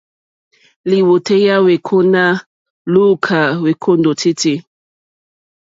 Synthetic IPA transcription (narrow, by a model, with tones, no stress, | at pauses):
li˨wo˨te˦ja˦we˨kʰo˦na˦ | lu˦kʰa˨we˨kʰo˦ndo˨tʰi˦ti˦